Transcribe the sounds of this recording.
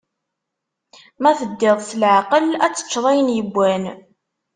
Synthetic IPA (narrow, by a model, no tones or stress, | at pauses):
mæθəd̪ːɪðˤsəlʕaqəlæt͡sːə̥t͡ʃːðˤæjənjəbʷːæn